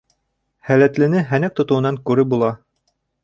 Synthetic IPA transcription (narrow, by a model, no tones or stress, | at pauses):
hælæt̪lɘ̆nɘɦænæk̚t̪ŏt̪ŏwɤ̆nɑŋkʉɾɘbulˠɑ